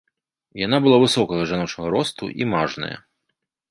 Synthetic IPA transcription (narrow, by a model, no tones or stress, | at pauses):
janabɨlˠavɨsɔkɐɣɐʐanɔt͡ʂnɐɣɐɾɔst̪ṵʔḭmaʐnɐ̰jɐ̰